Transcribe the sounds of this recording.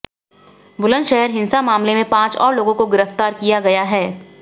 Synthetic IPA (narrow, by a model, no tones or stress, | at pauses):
bʊlə̃ndʃɛɦəɾɦɪ̃nsamaːmlemẽpãːt͡ʃɔ̰ːɾloːɡõkoɡɪɾəft̪aːɾkijaɡɐjaɦɛː